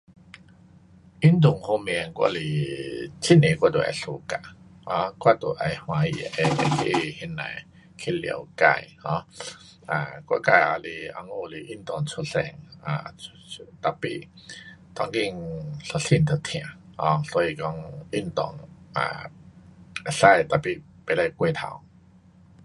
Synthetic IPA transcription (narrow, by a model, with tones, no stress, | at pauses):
i˦˥nt̪u˨˩ŋho˧m˧˨ɛ˨˧˨ŋkwa̰˧li˧˩t͡ɕʰi˦˥nẽ˨kwa˦˧t̪o˨ʔa̰˨˩jɬu˧˦ka˧˨ | hɔ̃˧kwa˥˧˨t̪o˨˩ʔa˨˧jhw̃ã˧jḭ˨ʔe˧ʔa˨˧˩kʰi˧hɛ˧˥nːa̰˨˧˨j | kʰi˦˧lḭ˧˨ka̰˧jhɔ̃˧˦ | ã̰˨kwa̰˧ka˧˨a̰˧li˧a̰˧ŋu˧˨li˧ʔi˦˥˩nt̪ɔ˨˩ŋt͡sʰu˧ɬɛ˧˩ŋa̰˨˩˧ | t̪a˨pḭ˧˨ | t̪ɔ˧˩ŋki˧ŋɬu˧ɬi˧˨nt̪ʰə˨˩t̪ʰj̃ã˨˩˦hɔ̃˧˦sɔ˧˦i˧kɔ˧˦ŋi˧˥˨nt̪ɔ˨˧ŋa̰˨ | a˨ɬa˥˧jt̪a˨pi˨b̥e˨˧˩la˧˩jkwe˥˧t̪ʰa̰˧˩˦w